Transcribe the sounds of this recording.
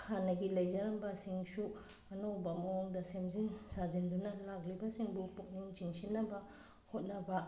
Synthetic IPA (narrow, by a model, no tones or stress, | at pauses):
kʰanɐɡilɐjd͡ʒɐɾɐmbɐsiŋsu | ɐnowbɐmɐoŋdɐsemziŋsazindunɐlaklibɐsiŋbupuk̚niŋt͡ʃiŋsinːɐbɐ | hot̚nɐbɐ